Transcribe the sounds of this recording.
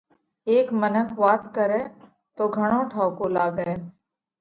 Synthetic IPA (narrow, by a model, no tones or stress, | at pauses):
eːkmənəkʰʋaːt̪kəɾeː | t̪oːɡʱəɽ̃õːʈʰaːʊkoːlaːɡəeː